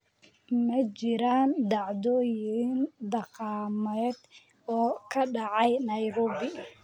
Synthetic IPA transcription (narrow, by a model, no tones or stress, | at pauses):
mɐt͡ʃɪɾaːnd̪ɑʕd̪ɔːjɪnd̪ɑqɑːmɛːd̪̥ | ɔːkʰɐɖɑʕɑjnɐjɾɔːbɪ